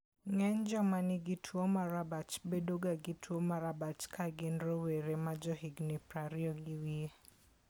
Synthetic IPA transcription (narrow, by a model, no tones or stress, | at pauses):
ŋɛɲd͡ʒɔmanɪɡɪtʰwɔmaɾabat͡ʃbedoɡaɡɪtʰwomaɾabat͡ʃkʰaɡɪnɾoweɾemad͡ʒɔhiɡnipɾaɾiɔɡɪwie